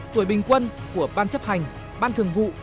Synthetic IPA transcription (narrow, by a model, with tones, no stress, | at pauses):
t̪u˧˩əjɓï˨˩ŋ̟kwə˧nku˧˩əɓaː˧nt͡ɕə˦˥p̚ha˨˩jŋ̟ | ɓaː˧nt̪ʰɨ˨˩əŋvṵ˧˨